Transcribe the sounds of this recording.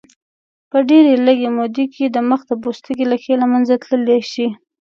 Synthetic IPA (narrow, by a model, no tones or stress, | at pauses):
pəɖeɾeləɡemod̪ekʰed̪əməxd̪əbost̪əɡelaxelamanzat̪ləleʃi